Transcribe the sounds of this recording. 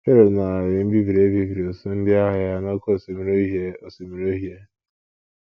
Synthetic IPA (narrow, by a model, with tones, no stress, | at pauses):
ke˦ɾo˨na˨a˨ɾɪ˨m̩˦bi˦vi˨ɾe˦bi˦vi˨ɾi˨o˨so˦n̩˦dɪ˦a˦ɦa˨ja˦no˦ko˨se˨m˦ɾe˦o˨so˨mi˨ɾo˦ɦje˦